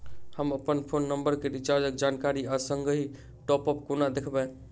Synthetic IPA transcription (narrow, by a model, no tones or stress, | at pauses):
həməpənpʰonːəmbəɾkeɾit͡ʃaɾd͡ʒəkd͡ʒankaɾiasəŋɡəɦi | ʈɔpəp̚konad̪ekʰbɛ